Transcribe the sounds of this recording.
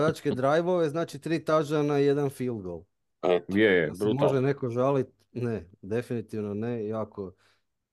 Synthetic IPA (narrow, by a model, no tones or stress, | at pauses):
ajat͡ʃked̪ɾajʋo̞ʋe̞znaːt͡ʃit̪ɾiːt̪aʒanajed̪anfilˠɡolˠ | jejebɾumoʒeneko̞ʒalit̪̚ | ned̪e̞finit̪iʋnonejako